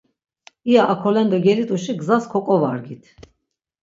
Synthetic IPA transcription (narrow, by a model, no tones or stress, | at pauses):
iaʔakʰɔlɛnd̪ɔɡɛlit̪ʼuʃiɡzaskʰɔkʼɔvaɾɡit̪ʰ